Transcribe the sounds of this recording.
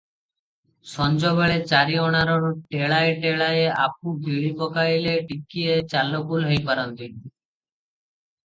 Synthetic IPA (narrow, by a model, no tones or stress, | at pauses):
ʃɔnd͡ʑɔβeɭet͡ɕaɾiɔɽ̃aɾonʈeɭaeʈeɭaea̰p̚uɡʱiɭipɔkaileʈikːiet͡ɕalːokulɦojpaɾont̪in